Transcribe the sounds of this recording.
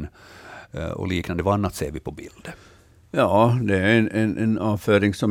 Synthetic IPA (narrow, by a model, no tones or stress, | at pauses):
n | ɔ̰liːknand̪əʋanːat̪seːɾʋɪpʰɔbɪ̰ld̪̥ | jɑːd̪ɛæɾɛnʔɛnʔɛnɑːføːɾɪŋsɔm